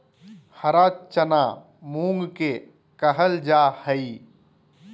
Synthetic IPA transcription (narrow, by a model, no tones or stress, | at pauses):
həɾaːt͡ʃəna | mũŋɡke | kəɦəld͡ʒaːhəi